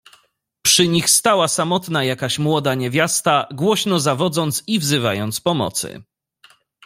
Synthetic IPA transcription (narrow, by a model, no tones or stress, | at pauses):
pʂɘɲixst̪awasamɔt̪najakaɕmwɔd̪aɲevʲjast̪aɡwɔɕnɔzavɔd̪zɔnt̪sivzɘvajɔnt̪spɔmɔ̰t̪sɘ̰